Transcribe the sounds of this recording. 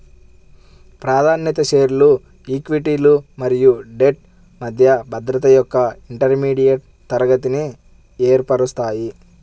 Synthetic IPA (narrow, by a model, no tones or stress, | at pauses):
pɾaːd̪ʱaːnjɐt̪ɐʃeːɾulu | ikʋiʈiːlumɐɾijuɖe̞ʈ̚ | mɐd̪ʱjɐbʱɐd̪ɾɐt̪ɐjɔkːɐiɳʈɐɾmiːɽijɐʈ | t̪ɐɾɐɡɐt̪̬ini | eːɾpɐɽust̪aːji